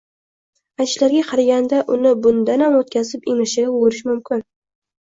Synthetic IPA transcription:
ajʃlaɾɡʲaqʰɑɾaɡʲand̪aʔʊnɪbʊnd̪anhamot̪̚kʲʰazɪpemɪʃɪwoɾɪʃmʊmkʲʰɪn

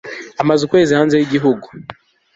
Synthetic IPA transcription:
amazukwe̞ːzihaːnze̞jiɟiɦuɡu

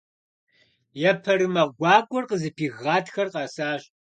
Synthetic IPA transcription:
jɛpʰɐɾɨmɐɡʷɑːkʷʼɔrqəzɨpʰiːɣːaːtxɐrqɑːsaːɕʼ

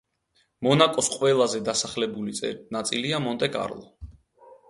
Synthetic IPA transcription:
mɔnakʼɔsqʼwɛlˠazɛd̪asaχlɛbulit̪sʼɛ̰nat̪sʼiliamɔnt̪ʼɛkʼa̰ɾlˠɔ̰

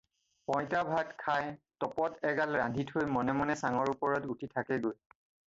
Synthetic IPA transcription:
pɔj̃tabʱatkʰajtɔpɔtɛɡalɹandʱitʰojmɔnɛmɔnɛsaŋɔɹupɔɹɔtutʰitʰakɛɡoj

